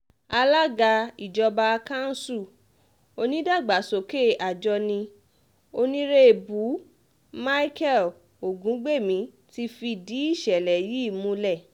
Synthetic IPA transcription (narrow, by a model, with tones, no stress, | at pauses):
a˧la˦ɡa˧i˨d͡ʒɔ˧ba˧kã˦n̩˦su˦˨ | o˧nĩ˦da˦˨ɡ͡ba˨˦so˨ke˦˨ʔa˨d͡ʒɔ˧nĩ˧ | o˧nĩ˦ɾe˦e˨bu˨˦ | ma˦i˦kɛ˦˨l | o˨ɡũ˨˦ɡ͡be˦˨mĩ˧˦ | ti˧fi˧di˨˦i˦˨ʃɛ˨lɛ˨ji˨˦˨mũ˧˦lɛ˦˨